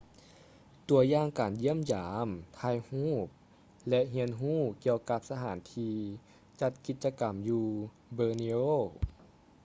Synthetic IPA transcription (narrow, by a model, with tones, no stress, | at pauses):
t̪u˨˩əjaː˧ŋkaː˨˩nji˦˥˨əmjaː˨˦mt̪ʰaː˧jhuː˥˩p̚ | lɛ˧ʔɦi˧˥ənɦuː˥˩ki˧əwka˧p̚sa˧ɦaː˩˦nt̪ʰiː˧ | t͡ɕa˧t̪̚ki˧˦t̪̚t͡ɕa˧ka˨˩mjuː˧ | bɤː˧ni˧oː˥˩